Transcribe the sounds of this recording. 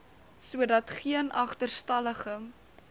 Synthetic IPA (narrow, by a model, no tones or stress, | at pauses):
suədɐtχiənɐχtərstɐləχəm